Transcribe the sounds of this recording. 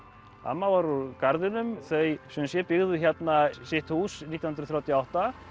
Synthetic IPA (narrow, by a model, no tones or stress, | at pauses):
a̰mːavaɾukaɾðɪnʏmθejsœnsjɛpɪɣðʏçɛt̪nasɪht̪husniːannɾθɾawt̪jawht̪a